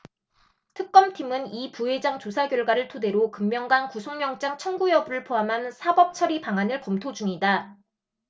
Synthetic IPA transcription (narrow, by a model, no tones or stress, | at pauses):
tʰɯk̚k͈ʌmtʰimɯnipuɦe̞d͡ʑaŋt͡ɕosʰaɡjʌɭɡwaɾɯɭtʰode̞ɾokɯmmjʌŋɡankusʰoŋmjʌŋt͡ɕ͈aŋt͡ɕʰʌŋɡujʌbɾɯɭpʰoamɦansʰabʌp̚t͡ɕʰʌɾipaŋɦanɯɭkʌmtʰod͡ʑuŋida